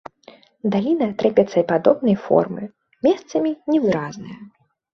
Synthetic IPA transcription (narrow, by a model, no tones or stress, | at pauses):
d̪alʲinɐt̪ɾɛpʲɛt̪sɐipad̪ɔbnɐjfɔ̰rmɨ̰ | mʲɛst̪sɐmʲinʲɛvɨɾaznɨjɐ